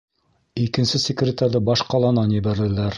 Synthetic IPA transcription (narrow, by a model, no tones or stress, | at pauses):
ikɘ̆nsɘsʲɪkrʲɪt̪aɾðɤbɑʃqɑlˠɑnɑnjɘ̆βæɾðɘ̆læɾ